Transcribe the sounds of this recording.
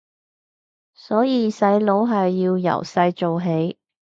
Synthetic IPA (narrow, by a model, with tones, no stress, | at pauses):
sɔː˨˥jiː˨˧sɐ˨˥jlo˨˥wɦɐ˨jːiː˧wjɐ̰˨˩wsɐ˧jt͡so˨wɦe˨˥j